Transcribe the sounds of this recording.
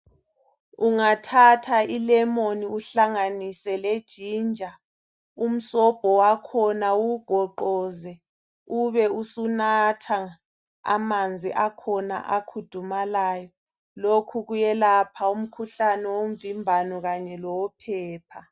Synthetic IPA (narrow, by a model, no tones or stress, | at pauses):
uŋatʰatʰailɛmoniuɬaŋanisɛled̥ʒ̥ʱiːnd͡ʒʱa | um̩sɔb̥ʱɔwakʰɔnauɡ̥ʱɔǃɔːzɛ | uβɛusunatʰa | a̰mand͡zʱiʔakʰɔna̰ʔakʰud̥ʱumalaːjɔ | lokʰuɣujɛlapʰaum̩kʰuɬanɛwom̩vimbʱanɔɣaɲɛlɔwɔpʰɛːpʰa